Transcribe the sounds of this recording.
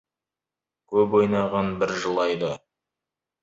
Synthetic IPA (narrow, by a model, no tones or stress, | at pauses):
kʲʰɵpwo̞jnɑʁɑnbɪɾʒəlˠɑjd̪ə